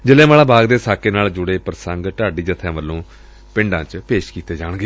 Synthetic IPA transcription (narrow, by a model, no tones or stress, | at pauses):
d͡ʒɪlẽːmaːlãːbaːɡd̪eːsaːkeːnaːld͡ʒʊɽeːpɾəsəŋɡʈ̪aːɖiːd͡ʒət̪ʰːãːʋəlːõː | pɪ̃ɳɖãːt͡ʃpeːʃkiːt̪eːd͡ʒaːɳ̃ɡeː